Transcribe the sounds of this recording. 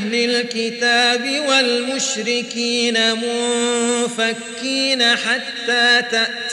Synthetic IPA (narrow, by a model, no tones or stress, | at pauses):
lɪlkɪt̪aːbɪwalmʊʃɾɪkiːnamʊ | fakːiːnaħat̪ːaːt̪aʔ